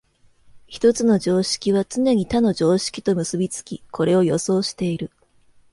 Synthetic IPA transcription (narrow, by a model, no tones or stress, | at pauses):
çi̥t̪o̞t͡sɨno̞ʑo̞ːɕi̥kʲiβ̞at͡sɨne̞ɲ̟it̪ano̞ʑo̞ːɕi̥kʲi̥t̪o̞mɯ̟sɨbʲit͡sɨ̥kʲikʰo̞ɾe̞o̞jo̞so̞ːɕi̥t̪e̞iɾɯ̟